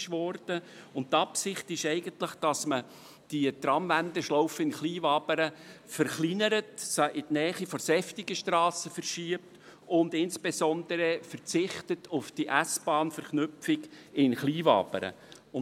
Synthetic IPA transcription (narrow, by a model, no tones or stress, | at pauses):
ʃʋɔɾd̥əʊnttːɑpsɪχtɪʃɛɪɡəntlɪχd̥ɑsmə | d̥iətɾɑmvændəʃlɔʊfəɪnχliːvɑːbəɾə | fɛɾχlinəɾətsʔɪdnɛːχifɔɾsɛftiɡəʃtrɑːsəfɛrʃiəp̚tʊndɪnsb̥esɔnd̥əɾəfɛərt͡sɪχtətʰʊfd̥iʔæsb̥ɑːnfɛɾχnʏfɪɡɪnχliːvɑ̰ːbə̰ɾə̰ | ʊ